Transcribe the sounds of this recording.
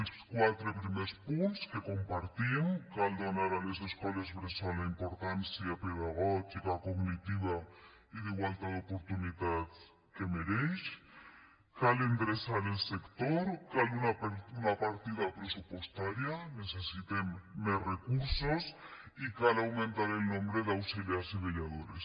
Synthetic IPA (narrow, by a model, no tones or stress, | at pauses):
lskwat̪ɾepɾimespunskeko̞mpaɾt̪iŋkald̪onaɾaleseskolezβɾesalaimpoɾt̪ansjapeðaɣot̪ikakoɣnit̪iβa | iðeɣwalt̪aðopoɾt̪unit̪að | kemeɾejs | kalend̪ɾesaɾelsekt̪oɾkalunaunapaɾt̪iðapɾesupwe̞st̪aɾjane̞sesit̪emmːesrekuɾso̞s | ikalawmẽnt̪aɾelnõmbɾeðawsileasiβeʎað̞oɾes